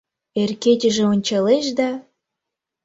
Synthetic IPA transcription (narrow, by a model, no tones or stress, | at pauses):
erketʲə̆ʒĕonʲt͡ɕɑleʃd̪ɑ